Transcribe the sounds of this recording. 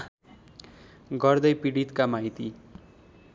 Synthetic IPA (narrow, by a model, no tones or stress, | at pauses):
ɡʌrd̪ʌjpiɽit̪kamaɦit̪i